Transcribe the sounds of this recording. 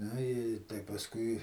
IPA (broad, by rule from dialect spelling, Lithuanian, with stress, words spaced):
ˈnʊ ɪ tɐɪ pɐsˈkʊɪ